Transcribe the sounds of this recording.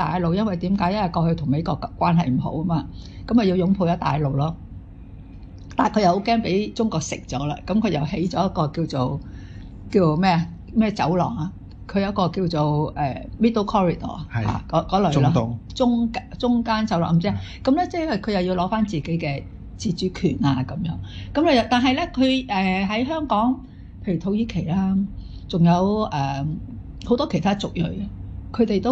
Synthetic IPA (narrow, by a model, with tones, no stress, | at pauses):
t̪aː˨jlo˨˧wjɐ˥nwɐ˨˩jt̪iː˨˥mkaː˨˥jɐ˥ɐ˨jkɔː˧hɵ˧jt̪ʰʊ˨˩ŋme˨˧jkɔː˧kːkʷːwaː˥nɦɐ˨jm̩˨˩ɦo̰˨˥wɐ˥maː˧ | kɐ˨˥mkɐ˨˩ji˧wjʊ˨˧˥ŋpʰo˧jɔ˨˥t̪a̰ː˨jlo˨wlɔː˥ | t̪aː˨˩nkʰɵ˨˧jɐ˨who˨˥wkɛː˥ŋpe˨˥jt͡ʃʊ˥ŋkɔː˧k̚sɪ̰˨k̚t͡sɔ̰ː˨˥la̰ː˧kɐ˨˥mkʰɵ˨˧jɐ˨˩wɦe˨˥jt͡ʃɔː˨˥jɐ˥t̚kːɔː˧kiː˧wt͡so˨˩w | kiː˧t͡so˨wmɛː˥ɐ˨ | mɛː˥t͡sɐ̰˨˥wlɔ̰ː˨˩ŋa˨˧ | kʰɵ˨˧ɥjɐ˥t̚kɔː˧kiː˧wt͡so˨wɛː˨mi˥t̪ːo˥wkʰɔː˥ɹi˨˩d̪ɔ̰ː˨˩˨ha̰ː˨˩kɔ˨˥kɔː˨˧˥lɵ˨la˥˨t͡sʊ˥ŋkat͡sʊ˥ŋkaː˥nt͡sɐ˨˥wlɔ̰ː˨˩ŋm̩˨˩t͡si˥ja˨ | kɐ˨˥mlɛ˥t͡sɛː˥˩˥hɐ˨˩jkʰɵ˨˧jɐ˨wji˧wlɔː˨˥faː˥nt͡siː˨ke˨˥jkɛː˧ | t͡siː˧˩t͡ʃyː˨˥kʰyː˨˩naː˧kɐ˨˥mjœ̰ː˨˥ŋkɐ˨˥mɛ˧jɐ˨wt̪aː˨nɦɐ˨˧jlɛ˥kʰɵ˨˧ɛː˨ɦɐ˨˥jɦœː˥ŋkɔː˨˥ŋ | pʰe˧jy˨t̪ʰo˨˥wjiː˧kʰe˨˩jlaː˥ | t͡sʊ˨ŋjɐ˨˧wʔɛː˨˩ | ho˨˥wt̪ɔː˥kʰe˨˩jt̪ʰaː˥t͡sʊ˨k̚jɵ̰˨˩ɥɐ˧kʰɵ˨˧ɥt̪e˨jt̪o˥w